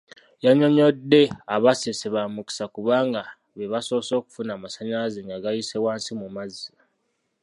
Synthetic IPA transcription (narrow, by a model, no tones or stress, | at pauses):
jaɲo̞ɲo̞dːe̞aβaseseβamuki̥sakuβaːŋɡa | βeβaso̞ːso̞ːku̥funamasaɲazeŋɡaɡajisewaːnsimumazia